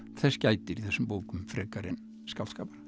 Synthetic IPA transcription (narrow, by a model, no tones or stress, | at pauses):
θɛscaːjt̪ɪɾiθɛsːʏmpoːwkʏmfɾɛːkaɾɪn | skaw̪skaːpaɾ